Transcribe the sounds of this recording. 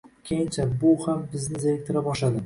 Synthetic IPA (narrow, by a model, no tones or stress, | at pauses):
kʲʰejɪnt͡ʃʰabʊhambɪznɪzelɪk̚ʲt̪ʰɪɾabɒʃlad̪ɪ